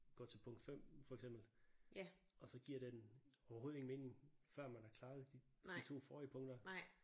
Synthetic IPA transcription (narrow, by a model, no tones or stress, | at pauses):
ɡ̥ɒ̰t͡sʰe̝lpʰɔ̽ŋ̰d̥fem̰fɒ̽eɡ̥s̬emb̥l̩ | ɒ̽sɒ̽ɡ̥iɐ̰ɾ̥enɒʊɐɦo̝ːð̩ˠe̝ŋn̩me̝ːne̝ŋfɶɐ̰mænæɐkʰlɑ̈ːð̞̩ˠd̥iit͡sʰo̝̰ːfɒːiəpʰɔ̽ŋd̥ɐ